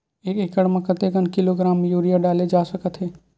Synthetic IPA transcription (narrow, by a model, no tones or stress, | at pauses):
eːkeːkəɽmɐ̃kət̪ekənkɪloɡɾaːmjuːɾijaɖaːled͡ʒaːsɐkət̪ɦɛː